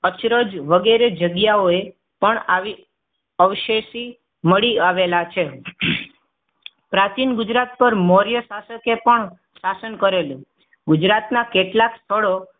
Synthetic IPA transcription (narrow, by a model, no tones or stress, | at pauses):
ət͡ʃɾod͡ʒʋəɡeɾed͡ʒəɡjaoe | pəɳaʋi | əʋʃeʃi | məɭiaʋelat͡ʃʰe | pɾat͡ʃinɡʊd͡ʒɾat̪̚pəɾmɔɾjəsasəkepəɳ | sasənkəɾelũ | ɡʊd͡ʒɾat̪nakeʈlakst̪ʰəɭo